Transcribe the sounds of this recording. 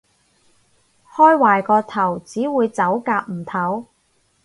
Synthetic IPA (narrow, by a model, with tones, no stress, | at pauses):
hɔː˥jwaː˨˩jkɔː˧t̪ʰɐ˨˩wt͡siː˨˥wuː˨˧jt͡sɐ˨˥wkaː˧p̚m̩˨˩t̪ʰɐ˨˥w